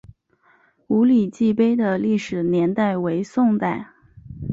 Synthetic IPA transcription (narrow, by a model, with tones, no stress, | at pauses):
u˧˥li˨˩t͡ɕi˥˩pe˥ɪd̪ə˨li˥˩ʂɻ̩˨˩njɛ˧˥nt̪a˥˩ɪwe˧˥ɪsʊ˥˧ŋt̪a˥˩ɪ